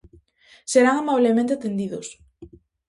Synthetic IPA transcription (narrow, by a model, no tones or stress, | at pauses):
seɾaŋamaβlemẽnt̪̬eat̪end̪iðʊs